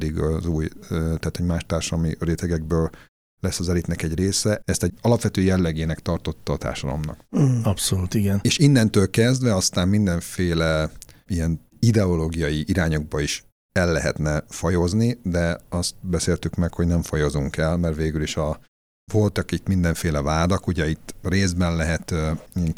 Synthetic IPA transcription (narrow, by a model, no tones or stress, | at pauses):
d̪iɡɒzuːjøt̪ɛːt̪hoɟmaːʃt̪aːrʃɔlmiɾeːt̪ɛɡɛɡ̚bøːl | lɛsːɒzɛlit̪nɛkɛɟreːsɛɛst̪ɛɟɒlɒpʋɛt̪øːjɛlːɛɡeːnɛkt̪ɒrt̪o̞t̪ːɒːt̪a̰ːrʃɒd̪ɒ̰mnɒ̰kɒpsoluːt̪iɡɛneːʃinːɛnt̪øːlkɛzd̪ʋɛɒst̪aːmmind̪ɛɱfeːlɛ | ijɛn | id̪ɛoloːɡijɒjiʔiɾaːɲo̞ɡ̚bɒiʃ | ɛlːɛ̰ɦɛ̰t̪nɛfɒjo̞znid̪ɛɒst̪̚bɛseːlt̪ykmɛkhoɟnɛɱfɒjo̞zuŋkɛlmɛrʋeːɡyliʃɒ | vo̞lt̪ɒkit̪mind̪ɛɱfeːlɛvaːd̪ɒkuɟɛit̪ːreːzbɛnlɛɦɛt̪iŋk